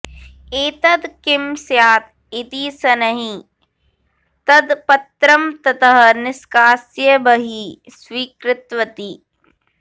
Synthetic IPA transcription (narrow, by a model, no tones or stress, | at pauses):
eːt̪ɐd̪kɪmsjaːt̪ | it̪iːsɐnɐɦĩ | t̪ɐd̪pɐt̪ɾɐmt̪ɐt̪ɐɦɐ̆nɪskaːsjɐbɐɦisʋiːkɾɪt̪ʋɐt̪i